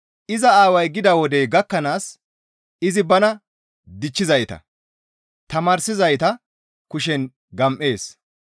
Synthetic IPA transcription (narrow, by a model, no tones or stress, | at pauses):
ʔɪzɐaːwɐjɡɪd̪ɐwɔd̪ɛɡɐkːɐnaːs | ɪzɪbɐnɐ | d̪ɪt͡ʃːɪzɐjt̪ɐ̰ | t̪ɐmaːɾsɪzɐjt̪ɐ | kʊʃ̬ɛn | ɡɐmʔe̞ːs